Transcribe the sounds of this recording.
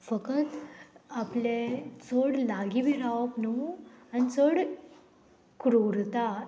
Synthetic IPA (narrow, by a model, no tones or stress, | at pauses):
fəkət̪aplet͡səɽlaɡibʱiɾaʋəpnəuanit͡səɽ | kɾoɾt̪a